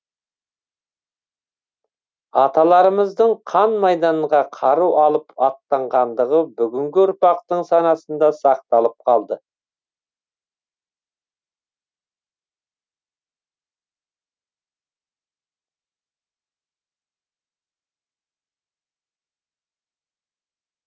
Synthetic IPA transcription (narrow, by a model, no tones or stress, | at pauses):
ɑt̪ɑlˠɑɾəməzd̪əɴqʰɑnmɑjd̪ɑɴʁɑqʰɑɾuwʔɑlˠəpɑq̚t̪ɑɴʁɑnd̪əʁəbʏɡʲɪŋɡʲɪʊɾpɑqt̪əɴsɑnɑsənd̪ɑsɑq̚t̪ɑlˠəp̚qʰɑlˠd̪ə